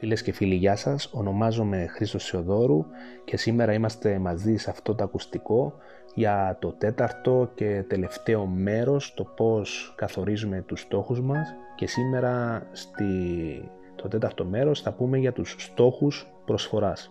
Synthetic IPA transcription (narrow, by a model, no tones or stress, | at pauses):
file̞sce̞filiʝɐsɐso̞no̞mɐzo̞me̞xɾist̪o̞sio̞ðo̞ɾuce̞sime̞ɾɐimɐst̪e̞mɐzisɐft̪o̞t̪oɐkust̪iko̞ | ʝɐt̪o̞t̪e̞t̪ɐɾt̪o̞ce̞t̪e̞le̞ft̪e̞o̞me̞ɾo̞st̪o̞po̞skɐθo̞ɾizume̞t̪ust̪o̞xuzmɐsce̞sime̞ɾɐst̪i | t̪ot̪e̞t̪ɐɾt̪o̞me̞ɾo̞sθɐpume̞ʝɐt̪usːt̪o̞xus | pɾo̞sfo̞ɾɐs